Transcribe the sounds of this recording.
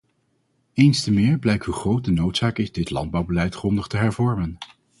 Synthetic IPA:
ejnstəmɪːɹblɛjk̚tɦuχrowt̚dənowtsaːkɪzdɪtlɑ̰nd̚bɑwbəlɛjtχrɔndəχtəɦɛɹvɔɹmən

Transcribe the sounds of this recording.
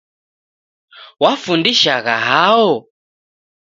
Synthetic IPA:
wafundiʃaɣa̰ɦaɔ

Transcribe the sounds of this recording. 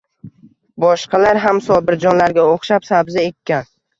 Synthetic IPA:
bɒʃqʰɑlaɾɦamsɒbɪɾd͡ʒɒnlaɾɡʲaoχʃapsabzɪekʲʰːan

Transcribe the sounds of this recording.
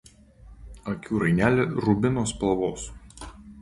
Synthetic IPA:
ɐkʲuːɾɐɪnʲæːlʲɪɾʊbʲɪnoːspɐlˠʋoːs

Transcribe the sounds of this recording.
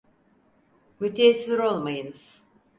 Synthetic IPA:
myt̪ʰesɾo̞lˠmajɯnɯz̥

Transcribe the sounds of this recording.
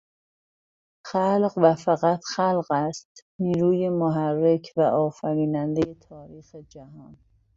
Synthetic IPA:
xælɢvæfæɣæt̪ʰxælɢæst̪niːɾuːjemoɦærːe̞kʰvæʔɒːfæɾiːnænd̪ejet̪ʰɒːɾiːxed͡ʒæhɒːn

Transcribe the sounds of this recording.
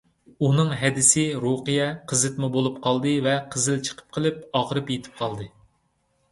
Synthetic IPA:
unɨŋɦɛd̪ɪsɪɾoqɨjɛqʰəzɨt̪mubolˠup̚qʰɑlˠd̪ɨvɛqʰəzɪlt͡ʃʰə̥qʰə̥p̚qʰəlˠɨpɑʁəɾɨpjet̪ʰɪ̥p̚qʰɑlˠd̪ɨ

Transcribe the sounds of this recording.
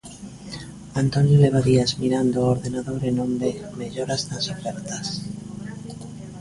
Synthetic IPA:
ant̪o̞njole̞βaðiazmiɾand̪ooɾðe̞naðo̞ɾenõmbemeʎoɾaznasofeɾt̪as

